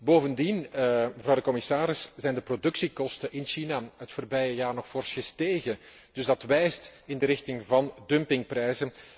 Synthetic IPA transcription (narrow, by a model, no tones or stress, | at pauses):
boːvəndinməvrɑwdəkɔmɪsaːɾɪsz̥ɛjndəprodʏksikɔstəʔɪnʃinaɦətfoːrbɛjəjaːrnɔxfoːrsxəsteːɣə | d̥ɵzdɑtʋɛjstɪndəɾɪxtɪŋvɑndɵmpɪŋprɾɛjzən